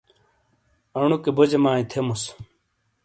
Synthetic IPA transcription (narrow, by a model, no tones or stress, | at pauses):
ɐɳ̃ukebod͡ʑemaːĩt̪ʰemus